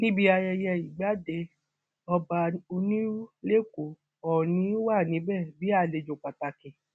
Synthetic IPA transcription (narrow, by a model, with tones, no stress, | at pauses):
nĩ˦bi˧˦a˧jɛ˧jɛ˧i˨ɡ͡ba˨˦de˧ | ɔ˧ba˧o˧nĩ˦le˦ko˨ | ɔ˨nĩ˨˦wa˦˨nĩ˨˦bɛ˦˨bi˨˦a˦˨le˧d͡ʒo˨k͡pa˨ta˧kĩ˨